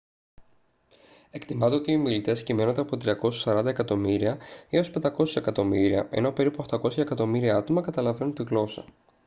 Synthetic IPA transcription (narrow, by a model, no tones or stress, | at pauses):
e̞kt̪imɐnt̪eot̪io̞milit̪e̞scime̞nod̪eɐpo̞t̪ɾiɐko̞su̥sɐɾɐnd̪ɐekɐt̪o̞miɾiɐio̞spe̞nd̪ɐko̞se̥se̞kɐt̪o̞miɾiɐʔe̞̰no̞pe̞ɾipuoxt̪ɐko̞sçɐekɐt̪o̞miɾiɐɐt̪o̞mɐkɐt̪ɐlɐve̞nunt̪iɣlo̞sɐ